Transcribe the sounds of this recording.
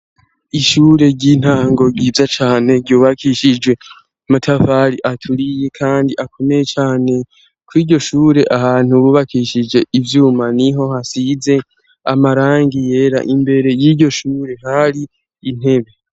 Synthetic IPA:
iʃuːɾe̞ɟin̥haːŋɡo̞ɡiːvzat͡ʃaːne̞ɡɟuːβakʰiʃid͡ʒɡwe̞ | matʰafaɾiʔatʰuɾije̞kʰaːndiʔakʰo̞me̞jet͡ʃaːne̞ | kwiːɟo̞ʃuːɾe̞ʔahaːn̥uβuːβakʰiʃid͡ʒe̞ivjuːmaniɦo̞hasize̞ | a̰maɾaːŋɡije̞ɾa̰ʔimbe̞ɾe̞jiːɟo̞ʃuːɾe̞ɦaɾiː | n̥he̞βe̞

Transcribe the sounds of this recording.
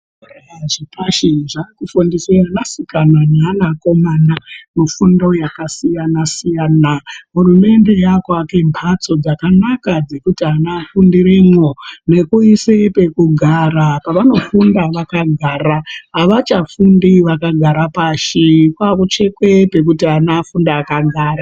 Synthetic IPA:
raʐipaʃiʐakufundisiranasikanananako̞mandano̞fundojakasijanasijaːnaɦurume̞nde̞jakwake̞mpʰat͡so̞d͡zakanakad͡ze̞kutianafundiɾemwone̞kuisepe̞kuɡʱaɾapaʋano̞fundaʋakaɡʱaːɾaɦaʋat͡ʃafundiʋakaɡʱaɾapaʃikwakut͡ʃe̞kwepe̞k̬utianafundaːkaɡʱaːra

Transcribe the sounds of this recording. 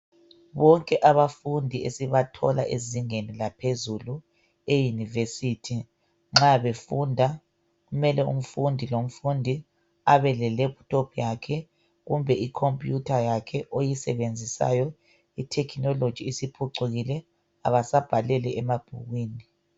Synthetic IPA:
βɔŋkʼɛʔaβafundʱiesiβatʰɔ̰la̰ʔeziŋenilapʰezulu | ejunivesitʰi | ŋ͡ǁaβefundʱa | ɣumɛlɛṵm̩fundʱilom̩fundʱi | aβɛlɛleptʼopʰjakʰɛ | ɣumbʱɛikʰompʼjutʰajakʰɛʔojisɛβend͡zʱisa̰jɔ | itʰɛkʰinɔlo̥ʒ̥ʱiːsipʰuǀuɣilɛ | a̰βasab̥ʱalɛlɛɛmab̥ʱṵɣwiːni

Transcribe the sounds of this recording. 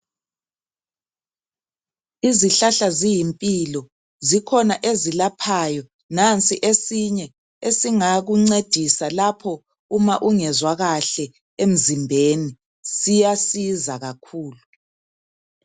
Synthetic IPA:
iziɬaɬazijimpʼilɔ | zikʰɔnaʔezilapʰajɔ | nant͡sʼiʔesiɲɛ | esiŋaɣuŋ͡ǀed̥ʱisalapʰɔ | umaʔuŋɛzwaɣaɬɛ | em̩zimbʱeːni | sijasizaɣakʰuːlu

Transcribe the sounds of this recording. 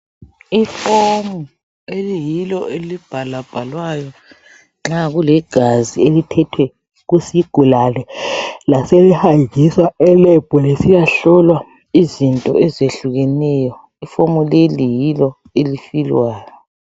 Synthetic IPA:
ifomu | elijilɔelib̥ʱalab̥ʱalwajɔ | ŋ͡ǁaɣulɛɡ̥ʱazielitʰɛtʰwɛ | ɣusiɡ̥ʱulalɛlaselɛhajikiswaɛlɛb̥ʱɔlesijaɬɔlwa | izintʼɔ̰ɛzeɬuɣɛnɛjɔ | ifomulelijilɔ | elifilwaːjɔ

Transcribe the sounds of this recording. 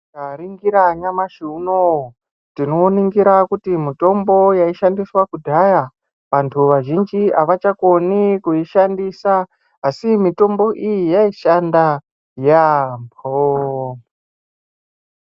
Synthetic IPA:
kaɾiŋɡiɾaɲamaʃuno | tino̞ːniŋɡiɾakutimito̞mbo̞jaiʃandiswakudʱaja | ʋantʰuʋaʒind͡ʒiʔaʋat͡ʃako̞nikuiʃandisaː | simito̞mbo̞ʔijijaiʃanda | jaːmp̚ʰo

